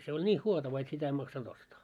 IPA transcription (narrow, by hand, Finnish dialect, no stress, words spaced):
se olʲ nʲiːh huotɑʋɑ et sitæ ei mɑksɑnd̥ ostɑː